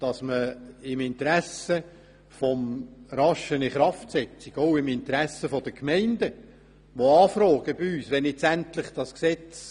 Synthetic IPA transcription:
d̥ɑsməɪmɪntɾæsə | fɔmɾɑʃəniχɾɑftsɛt͡siɡ̥oʊɪmɪnt̪ɾæsəfod̥əkmɛɪndə | ʋoɑːfɾɔːɡ̥əbiyːsʋɛnɪt͡sænt̪lɪχd̥ɑsksɛt͡s

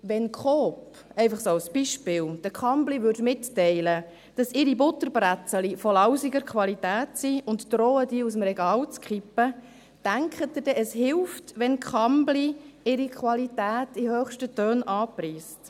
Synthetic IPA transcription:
ʋɛnkχɔːp | ɛɪfɑχsoːɑlsb̥iʃpɪːld̥əkχɑmbliʋʏɾtmɪtːɛɪlə | d̥ɑsɪɾibʊtːəɾbɾæt͡səlifɔlɑwsiɡəɾkʰʋɑlitæːtsiʊntdɾoːədiːusəmɾɛɡɑːlt͡skχipːə | d̥æŋkχətːəd̥ɛʔəshɪlftʋɛnkχɑmbliɪɾikχʋɑlitæːtihœːχʃtətøːnɑːpriːst

